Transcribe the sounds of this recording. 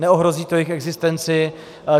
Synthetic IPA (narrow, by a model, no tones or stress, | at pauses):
nɛoɦɾo̞ziːt̪ojɪxɛɡzɪst̪ɛnt͡sɪ